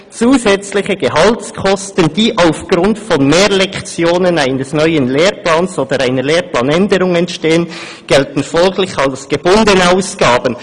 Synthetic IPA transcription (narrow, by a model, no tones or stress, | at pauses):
t͡suːzɛt͡slɪçəɡehɑltskʰɔstənd̥iːʔaʊfɡ̥ɾʊntfɔnmeːɾlɛkt͡sjoːnənaɪnəsnœʏənleːɾplaːnsoːd̥əɾaɪnəleːɾplɑːnɛndəɾʊŋɛntʃteːən | ɡ̥ɛltn̩fɔlɡlɪçɑlsɡ̥ebʊndənaʊsɡ̥aːbən